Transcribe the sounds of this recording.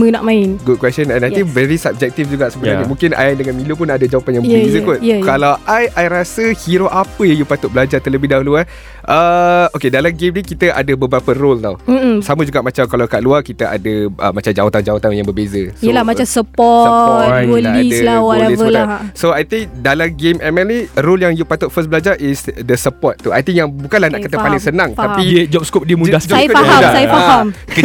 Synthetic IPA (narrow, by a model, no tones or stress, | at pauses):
mənaʔmãɪnɡud̚kwɛstənɛ̃naj̪iŋvɛɾisab̚d͡ʒɛk̚t̪ifd͡ʒuɡaʔsəbənanimũŋkɪnʔa̰jajdəŋanmĩlup̬ʊnadad͡ʒawapanjãŋbəbeezəpʊnkalawajʔajɾasəhiɾoʔapəjajupat̪ʊʔ̚bəlad͡ʒat̪ələbɪdaulua | ʔəokedalamɡemnikit̪əʔa̰dəbəbɾapərolnam̩saməd͡ʒuɡaʔmat͡ʃamkalakaʔluakit̪əʔa̰dəʔə̰mat͡ʃamd͡ʒawat̪and͡ʒawat̪anjaŋbəbezəsiəlamat͡ʃamsəpɔt̚əlidəslawɔlɛivəlasoajt̪iŋdalamɡemɛmɛlniroljaŋjupat̪ʊt̪̚fəs̬bəlad͡ʒaʔisdəsəpɔt̪̚ːua̰jt̪iŋjaŋbukanlahnaʔkət̪əpalɪŋsənãŋt̪apid͡ʒɔp̚skɔp̚diəmudad͡ʒkfaadasajfaamkə